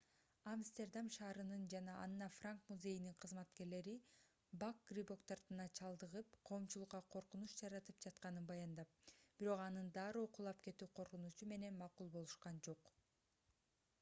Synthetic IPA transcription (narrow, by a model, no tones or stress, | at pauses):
amst̪e̞rd̪amʃɑːɾɯnɯnd͡ʒɑnɑɑnːɑfraŋkmuzʲe̞jiniɴqʰɯzmɑt̪ke̞ɾle̞ɾi | bak̚ɡ̥rʲibo̞kt̪art̪ɯnɑt͡ʃʰɑlˠd̪ɯʁɯpqʰo̞ːmt͡ʃulˠuqːɑqʰo̞ɾqunuʃd͡ʒɑɾɑt̪ɯpd͡ʒɑt̪qɑnɯnbɑjɑnd̪ɑp̚b̥iɾo̞qɑnɯnd̪ɑːɾɯoqulˠɑpke̞t̪yːqʰo̞ɾqunut͡ʃume̞ne̞nmɑqulˠbo̞lˠuʃqɑnd͡ʒo̞q